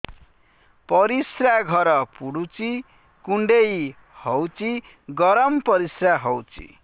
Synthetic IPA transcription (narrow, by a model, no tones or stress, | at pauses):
pʌɾisraɡʱʌɾʌpuɽut͡si | kuɳɖej | hʌwt͡si | ɡʌɾʌmpʌɾisraɦʌwt͡sḭ